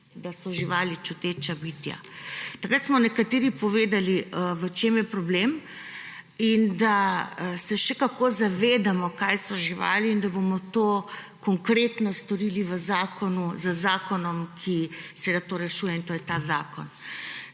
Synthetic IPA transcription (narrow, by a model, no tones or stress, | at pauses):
d̪asɔʒiʋaːlit͡ʃut̪et͡ʃabit̪ja̰t̪ɐkɾat̪smɔnɛkat̪eːɾipɔʋeːd̪aliʋət͡ʃeːmjɛpɾɔblem | ind̪asɛʃɛkakoːzaʋeːd̪amɔkajsɔʒiʋa̰ːliːnd̪abomɔt̪o | kɔŋkɾeːt̪nɔst̪ɔɾiliʋəzaːkɔnuzəzaːkɔnɔmkʰisɛʋed̪at̪oːɾɛʃuːjɛint̪oːjɛt̪aːzaːkɔn